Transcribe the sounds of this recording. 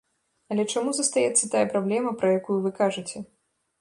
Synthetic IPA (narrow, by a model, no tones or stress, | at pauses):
ɐlʲɛt͡ʂamuzɐst̪ajɛt̪sːɐt̪ajɐpɾablʲɛmɐpɾɐjakujuvɨkaʐɨt͡sʲɛ